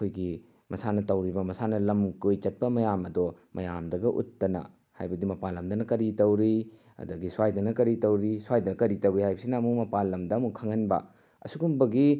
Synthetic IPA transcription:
kʰojɡi | mɐsanɐtɐwɾibɐmɐsanɐlɐmkojt͡ʃɐt̚pɐmɐjamɐdɔmɐjamdɐɡɐʔṵtːɐnɐ̰ | ha̰jbɐdimɐpalːɐmdɐnɐkɐɾitɐwɾi | ɐ̰dɐɡiswajdɐnɐkɐɾitɐwɾiswajdɐnɐkɐɾitɐwɾihajbɐsinɐːmumɐpalːɐmdɐɐmukʰɐŋɐnbɐ̰ | ɐ̰suɡumbɐɡi

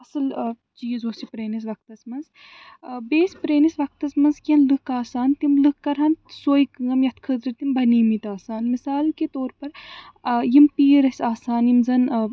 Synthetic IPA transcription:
ɐsɨl | t͡ʃiːzoːsipɾeːnis̬ʋɐk̚t̪ɐsmɐnz | beːspɾeːnisʋɐk̚t̪ɐsmɐnzkʲɐnlɨkaːsaːnt̪imlɨkːɐɾɦɐnsoːjkɨɐmjɐt̪ʰkʰɨd̪ɾɨt̪imbʱɐniːmit̪aːsaːnmisaːlket̪oːɾpɐɾ | jimpiːɾɐsʲaːsaːnjimzɐn

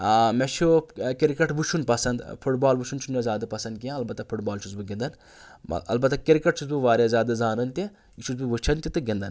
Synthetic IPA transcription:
amet͡ʃʰukiɾkɐʈʋut͡ʃʰunpɐsɐnd̪pʰuʈbaːlbuʃʰunt͡ʃʰunɐzʲaːd̪ɐpɐsɐnd̪̚kiãɐlbɐt̪ɐpʰuʈbaːlt͡ʃʰuzbɨɡĩnd̪ɐn̰ | ɐ̰lbɐt̪ɐkiɾikɐʈ̚t͡ʃʰuzbuʋaːɾʲjazʲaːd̪ɐzaːnɐnt̪i | it͡ʃʰuzbɨʋut͡ʃʰɐnt̪it̪ɨɡʲẽnd̪ɐn

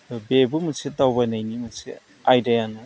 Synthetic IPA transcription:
bebumusʰitawbanajnimusi | ajdajanɯ

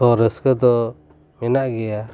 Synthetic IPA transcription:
ɔɾəskəd̪ɔ | mɛnaʔɡɛja

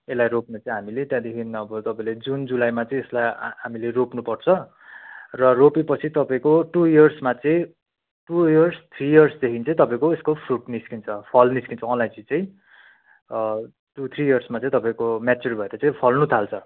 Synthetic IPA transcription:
elajɾopnat͡sʌĩɦamilet̪jãd̪ekʰinʌbʌt̪ʌpaĩled͡zund͡zulajmat͡sʌĩeslajɦamileropnupʌrt͡sʰʌ | rʌropipʌt͡sʰit̪ʌpaĩkoʈuiʌrsmat͡sʌĩ | ʈujʌrst̪ʰrijʌrsd̪ekʰint͡sʌĩt̪ʌpaĩkoeskopʰruʈniskint͡sʰʌpʰʌlniskint͡sʰʌʌnlaj̃d͡zit͡sʌ̃ĩ | ʈut̪ʰrijʌrsmat͡sʌ̃ĩt̪ʌpaĩkomat͡serbʱʌeɾʌt͡sʌĩpʰʌlnut̪ʰalt͡sʰʌ

